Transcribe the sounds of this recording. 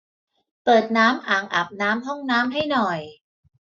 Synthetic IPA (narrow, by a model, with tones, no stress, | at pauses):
pɤː˨˩t̪̚naː˦˥mʔaː˨˩ŋʔa˨˩p̚naː˦˥mɦɔ˥˩ŋnaː˦˥mɦa˥˩jnɔ˨˩j